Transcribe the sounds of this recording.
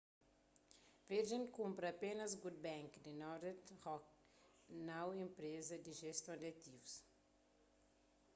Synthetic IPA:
veɾʒẽnkũmpɾɐpenɐsɡud̪̚bɛ̃ŋkd̪inɔɾdt̪hɔk̚ | nawĩmpɾezɐd̪iʒest̪õnd̪ɐt̪ivus

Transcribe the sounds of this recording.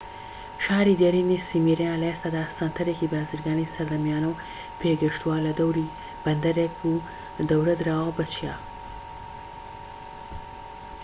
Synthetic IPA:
ʃaːɾid̪aɾinisimiɾjãlest̪ad̪asant̪ʰɐɾekibaːziɾɡɑːnisɐɾd̪amjɑnaw | pʰeɡəʂt̪walad̪awɾi | b̥ɐnd̪ɐɾeku | d̪awɾad̪ɾawabat͡ʃja

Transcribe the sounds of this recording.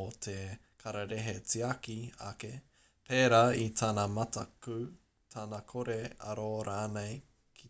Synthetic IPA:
otʰe | kʰɐɾaɾeɦet͡siakia̰ke | pʰeːɾaitʰanamɐtɐkʉ | tʰanakʰoɾeɐ̰ɾoɾaːnej | kʰi

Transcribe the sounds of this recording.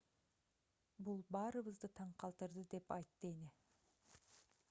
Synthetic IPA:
bulˠbɑːɾɯβɯzd̪ɯt̪ʰɑɴqʰɑlˠt̪ɯɾd̪ɯd̪e̞pɑjt̪ːɯeni

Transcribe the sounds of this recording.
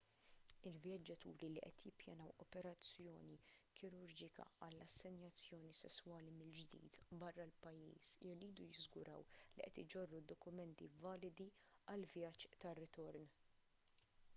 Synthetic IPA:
ɪlvjɐd͡ʒːɐt̪uːɾiliʔɛt̪jɪpːjɐnɐwɔpɛɾɐt͡sːjɔːnikʰɪɾʊɾd͡ʒɪkɐ̰ɐlːɐsːɛnjɐt͡sːjɔːnisɛsːwɐːlimɪld͡ʒd̪ḭːt̪bɐrːɐlpɐjːḭːsɪriːd̪ujɪzɡʊɾɐ̰wliʔɛt̪ɪd͡ʒɔrːud̪ːɔkʊmɛnt̪ivɐːlɪd̪iɐlvjɐt͡ʃːt̪ɐrːɪt̪ɔɾn

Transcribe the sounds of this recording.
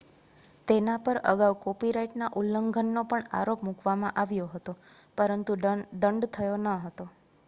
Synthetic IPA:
t̪enapəɾə̰ɡawkopiɾaiʈnaʔulːəŋɡʱənːopəɳa̰ɾopmũkʋamãʔaʋjoɦət̪o | pəɾənt̪ud̪əɳɖt̪ʰəjonəɦət̪o

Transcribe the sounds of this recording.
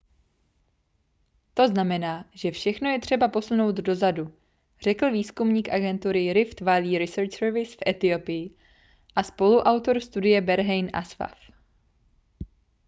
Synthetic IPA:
t̪o̞znamɛnaːʒ̥ɛfʃɛxno̞jɛt̪r̥ɛbapo̞suno̞wt̪do̞zadu | r̝ɛkl̩viːskumɲiːkʔaɡɛnt̪uɾɪɾɪft̪valiːɾɪsɛɾt͡ʃsɛɾvɪsfʔɛt̪ɪo̞pɪjɪ | ʔaspo̞luʔawt̪o̞ɾst̪udɪjɛbɛɾɦɛjnʔa̰sva̰f

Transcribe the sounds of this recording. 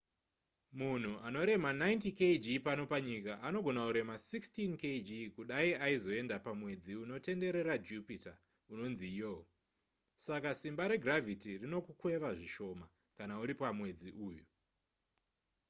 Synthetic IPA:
mun̤uano̞ɾe̞manajntiked͡ʒipano̞paɲikaʔano̞ɡʱo̞nakuɾe̞masikstinked͡ʒikuɗaiaizo̞e̞ndapamwe̞d͡ziuno̞te̞nde̞ɾe̞ɾad͡ʒupita | uno̞nzijo | sakasimbaɾe̞ɡʱravitirino̞kukwe̞ʋaʐiʃo̞ma | kanauɾipamwe̞d͡ziʔuːju

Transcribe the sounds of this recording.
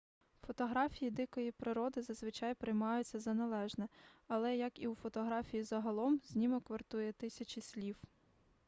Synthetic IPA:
fɔt̪ɔɦɾɑfʲijid̪ɪkɔjipɾɪɾɔd̪ɪzɐzʋɪt͡ʃɑjpɾɪjmɑjʊt͡sʲːɐzɐnɐlˠɛʒnɛɐlˠɛjɐkiwfɔt̪ɔɦɾɑfʲijizɐɦɐlˠɔmz̥ʲnʲimɔkʋɐrt̪ujɛt̪ɪsʲɐt͡ʃisʲlʲiw

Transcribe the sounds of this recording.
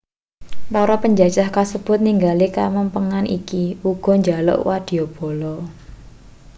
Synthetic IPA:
paɾɔpəɲd͡ʒḁd͡ʒahkasəb̥ʊ̤t̪̚niŋɡalikaməmpəŋanʔḭkiuɡ̥ɔ̤ɲd͡ʒa̤lɔ̰ʔwad̪̥i̤ob̥ɔ̤lɔ

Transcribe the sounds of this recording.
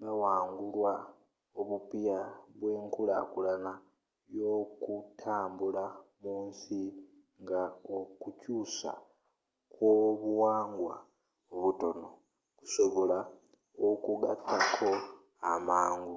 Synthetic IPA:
βewaːŋɡulwa | oβupijaβweːŋkula̰kulana | jo̞kutʰaːmbulamuːnsi | ŋɡaokucusa̰ | kwoβuwaːŋɡwa̰ | oβuto̞no̞ | ku̥so̞βo̞la | okuɡatakʰo̞ | amaːŋɡu

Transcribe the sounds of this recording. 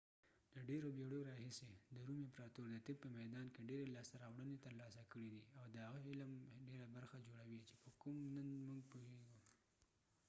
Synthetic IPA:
d̪əɖeɾobjeɽoɾɑhɪsed̪əɾumempɾɑt̪oɾd̪ət̪ɪb̚pəmajd̪ɑnkeɖeɾelɑst̪aɾɑwɽənet̪əɾlɑsakəɽid̪iawd̪əhaɣəhɪlamɖeɾabaɾxad͡ʒoɽawit͡ʃe̥pəkʊmnənmuŋɡpoheɡu

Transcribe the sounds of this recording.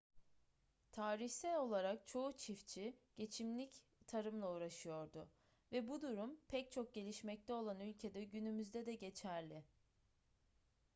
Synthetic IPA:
t̪ʰaːɾiçsɛlʲo̞lˠaɾak̚t͡ʃʰo̞ut͡ʃʰift͡ʃʰiɟ̥e̞t͡ʃʰimlʲic | t̪ʰaɾɯmlˠauːɾaʃɯjo̞ɾd̪ʊ | vɛbud̪uɾumpʰɛc̚t͡ʃʰo̞k̚ɟe̞lʲiʃmɛc̚t̪ʰɛo̞lˠanylʲcʰe̞d̪ɛɟynymyzd̪ɛd̪ɛɟe̞t͡ʃʰæɾlʲɪ

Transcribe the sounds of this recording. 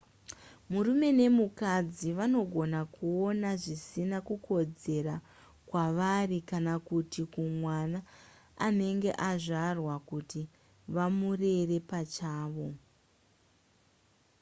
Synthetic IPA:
muɾume̞ne̞mukad͡ziʋano̞ɡʱo̞nakuo̞naʐisinakukʰo̞d͡ze̞ra | kwaʋarikanakutikumwanaː | ne̞ŋɡe̞̰ʔaʐarwakuti | ʋamure̞re̞pat͡ʃaːʋo̞

